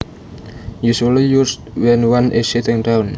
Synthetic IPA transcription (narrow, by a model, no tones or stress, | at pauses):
jusəlijustwɛnwanʔɪssit̪ɪŋdawn